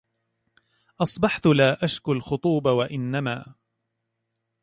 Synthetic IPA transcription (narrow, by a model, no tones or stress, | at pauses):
ʔɑsˤbɑħt̪ʊlaːʔaʃkʊlxʊt̪ˤuːbawaʔɪnːamaː